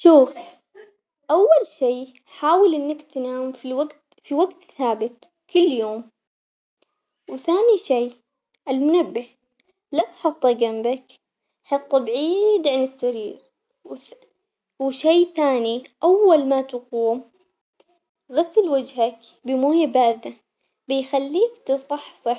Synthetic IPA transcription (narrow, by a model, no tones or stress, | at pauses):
ʃuːf | ʔawːalʃiː | ħaːwɪlʔɪnːakt̪naːmfiwaɡ̪ | fiwaɡt̪θaːbɪt̪ | kʊlːjoːm | wɪθaːniʃiː | ʔalmʊnabːɪh | lat̪ħɑt̪ˤːɑɡambak | ħɑt̪ˤːbʕiːd̪ʕanɪsːaɾiːɾ | wɪʃeːθaːniʔawːalmat̪ɑquːm | ɣasːɪlwad͡ʒhak | bɪmoːjabaːda | bɪjxalːiːkt̪ɨsˤɑħsˤɑ